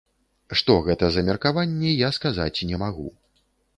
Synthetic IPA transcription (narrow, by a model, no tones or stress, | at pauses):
ʂt̪ɔɣɛt̪ɐzɐmʲɛrkavanʲːɛjaskaza̰t͡sʲinʲɛmaɣṵ